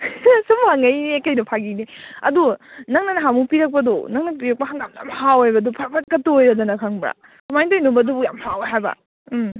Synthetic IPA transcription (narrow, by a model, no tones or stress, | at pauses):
sumhaŋɐjniekɐjnɐpʰaɡiniɐ̰dunɐŋnɐnɐɦamupiɾɐk̚pɐdɔ̰nɐŋnɐpiɾɐk̚pɐhaŋɡamja̰mhawajbɐdɔpʰɐɾpʰɐt̚kɐtojɾɐdɐnɐkʰaŋbɾa̰ | tumajtojnubɐdubujamhawɦajbɐ̰